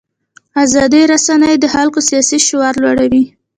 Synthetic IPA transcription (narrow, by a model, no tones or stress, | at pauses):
azɑd̪iɾasanəjd̪əhalkosijɑsiʃʊwaɾlwaɽawi